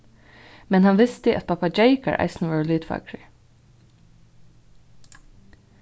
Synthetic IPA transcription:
mɛnhɑnʋɪst̪əʔɑ̰t̪̚pʰɑpɑd͡ʒeɪkə̰ɹʔɑ̰ɪsn̩ʋɑːɹliːd̪fɑ̰kɹə

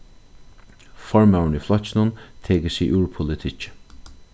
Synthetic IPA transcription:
fɔɹmawɳiːflɔt͡ʃɪnʊnt̪ʰeːkəsiːʔuːɹpʰʊlɪt̪ʰɪt͡ʃ

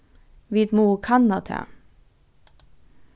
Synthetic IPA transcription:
ʋit̪muːkʰɑnɑt̪ʰɛ̰

